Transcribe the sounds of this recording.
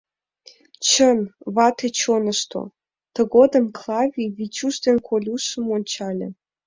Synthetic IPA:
t͡ɕənβɑt̪et͡ɕonə̆ʃt̪o̰ | t̪ə̆ɣod̪ə̆mklˠɑvʲiβit͡ɕuʃd̪enkʰolʲuʃə̆monʲt͡ɕɑlʲḛ̆

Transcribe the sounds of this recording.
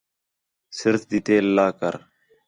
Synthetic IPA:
sɪɾt̪d̪it̪eːlːaːkɐɾ

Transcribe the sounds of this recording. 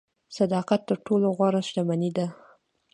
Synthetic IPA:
sad̪ɑqat̪ːəɾʈoloɣwɑɾaʃt̪amanid̪a

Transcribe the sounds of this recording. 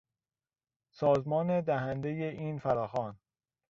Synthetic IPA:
sɒːzmɒːned̪æɦænd̪e̞jeʔiːnfæɾɒːxɒːn

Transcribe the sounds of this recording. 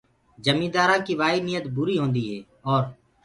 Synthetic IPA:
d͡ʒəmĩːd̪aːɾãːkiːʋaːiːnɪjət̪bʊɾiːɦõːnd̪iːɦɛː | ɔːɾ

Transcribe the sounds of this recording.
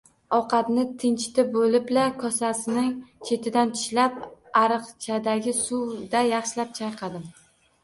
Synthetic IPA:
ɒqʰɑt̪nɪt̪ʰɪnt͡ʃɪt̪ɪbolɪblakʰɒsasɪnɪŋt͡ʃʰe̞t̪ʰɪd̪ant͡ʃ̪ʰɪ̥ʃlapaɾɨqt͡ʃʰad̪aɡʲɪsuwd̪ajɑχʃɪlap̚t͡ʃʰɑjqʰɑd̪ɪm

